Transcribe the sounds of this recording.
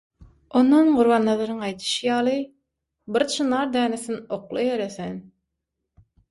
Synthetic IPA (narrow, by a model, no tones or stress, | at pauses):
onːɑnɢuɾβɑnlˠɑðˠɑɾɯŋɑjt̪ʰɯ̥ʃɯjɑːlˠɯ | biɾt͡ʃʰɯnɑɾd̪æːneθinoqlˠɑjeɾeθen